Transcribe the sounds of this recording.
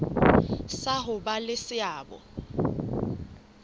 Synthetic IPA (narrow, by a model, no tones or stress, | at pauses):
saɦʊbalɪsɪaːbɔ̰